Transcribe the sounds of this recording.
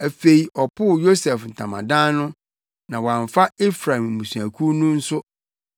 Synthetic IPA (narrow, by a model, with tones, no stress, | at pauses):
æ˨fe˨i˨ʔɔ˨pʰʊ˦˨jo˦sɛ˨fn̩˨tʰã˨mã̰˨dã˦nʊ̃˦ | nã˨wɔ˨ã˨ɱfa˦e˦fɾã˨m̩˨mũ˨su˨æ˨kʰu˦nũ˦n̩˦sʊ˦